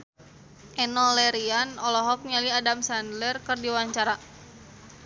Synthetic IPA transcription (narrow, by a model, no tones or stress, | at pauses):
ʔɛnɔlɛɾianɔlɔɦɔk̚ɲaliadamsandlərkɨrdiwaɲt͡ʃaɾa